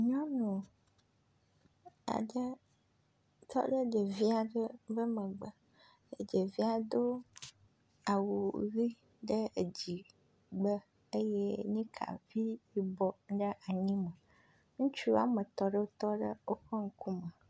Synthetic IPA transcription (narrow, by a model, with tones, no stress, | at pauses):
ɲɔ̃˦nũ˨ | a̰˨ɖə˦ | t̪ʰɔ̰˦ɖə˦d͡ʒe˨vi˦a˨ɖə˦və˦mə̃˨ɡ͡bə˨ | ḛ˨d͡ʒe˨vi˦a˨d̪o˦ | a˨wu˨ɣi˦ | ɖə˦˨d͡ʑi˨ | ɡ͡bə˦ | e˦je˦ɲĩ˦kʰa̰˨vi˦ji˦bɔ˦ɖə˦ʔa˨ɲĩ˦mə˨ | ŋũ˦t͡ʃu˦a̰˨mə˨t̪ɔ˦ɖə˦wo˦t̪ɔ˦ɖə˦wo˦ɸə˦ŋ̩˦ku˦mə˨